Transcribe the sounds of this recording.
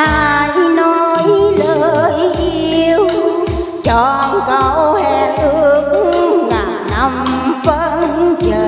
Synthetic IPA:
a˧jno˧jləː˧˨jʔii˧əw | t͡ɕɔ˧˩˧nkə˨˧˩whɛ˧˩t̪ɨ˧ək̚ŋaː˨˩jna˧mvə˧˦t͡ɕəː˧˨˩

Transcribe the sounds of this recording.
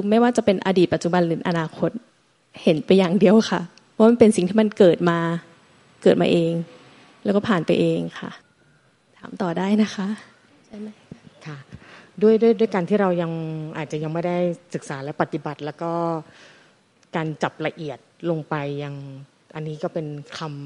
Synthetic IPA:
kʰɯː˧ma˥˩jwaː˥˩t͡ɕa˨˩pe˧nʔa̰ː˧diː˨˩pa˨˩t͡ɕu˨˩ba˧nlɯ˨˩˦nʔa˧naː˧kʰo˦˥t̪̚ | he˨˦npa˧jːaː˨˩ŋdi˧əwxʰa˥˩pʰɔ˦waː˥ma˧n˧pe˧nsi˨˩ŋt̪ʰiː˥˩ma˧nkɤː˨˩t̪̚maː˧ | kɤː˨˩t̪̚ma̰ː˧ʔeː˧ŋ | lɛ˦˥kɔː˥˩pʰaː˨˩npa˧jʔeː˧ŋkʰa̰˥˩ʔ | t̪ʰaː˩˦mt̪ɔː˨˩daː˥˩jna˦˥xʰa˦˥ʔ | t͡ɕʰa˥˩jma˦˥kʰa˥˩du˥˩əjdu˥˩jdu˥˩əjkaː˧nt̪ʰiː˥˩ɾa˧wja˧ŋʔa̰ː˨˩t̪̚t͡ɕa˨˩ja˧ŋm˦˥˩da˥˩jsɯ˨˩k̚saː˩˦lɛ˦˥wpa˨˩t̪ːi˧˦ba˨˩t̪̚lɛ˦˥wkɔː˥˩ | kaː˧nt͡ɕa˨˩p̚la˧ʔi˨˩ət̪̚lo˧ŋpa˧jːa˧ŋ | ʔa˧nːiː˦˥kɔː˥˩pe˧nkʰa˧m

